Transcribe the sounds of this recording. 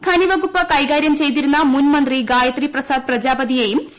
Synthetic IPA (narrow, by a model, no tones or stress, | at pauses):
kʰɐniʋɐɡupːɐkɐjɡaːɾjɐmt͡ɕe̞jt̪iɾunːɐmunmɐnd̪riɡaːjɐt̪riprɐsaːd̪̚prɐd͡ʑaːbɐd̪ijejums